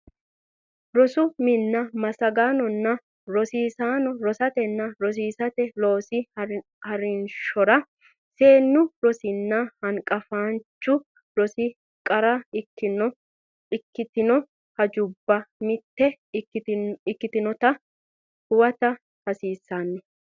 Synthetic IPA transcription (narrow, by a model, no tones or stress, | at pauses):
ɾɔsʊmɪnːɐmɐsɐɡaːnɔnːɐ | ɾɔsiːsaːnɔɾɔsɐt̪ɛnːɐɾɔs̬iːsɐt̪ɛloːsɪ | hɐɾɪnʃɔɾɐ | se̞ːnːʊɾɔsɪnːɐhɐŋkʼɐfaːnt͡ʃːʊ | ɾɔsɪ | kʼɐɾɐɪkːɪnɔ | ɪkːɪt̪ɪnɔ | hɐd͡ʒʊbːɐmɪt̪ːɛ | ɪkːɪt̪ɪnɔt̪ɐ | hʊwɐt̪ɐ | hɐsiːsːaːnːɛ